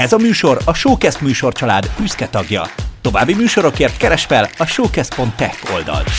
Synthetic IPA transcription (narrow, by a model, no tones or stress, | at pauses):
ɛzɒmyːʃo̞ɾɒʃoːkɛst̪myːʃo̞rt͡ʃɒlaːd̪byskɛt̪ɒɡjɒ̰t̪o̞vaːbːimyːʃo̞ɾo̞keːrt̪kɛɾɛʃfɛlɒʃoːkɛst̪̚po̞nt̪ːɛkːo̞̰ld̪ɒ̰lt̪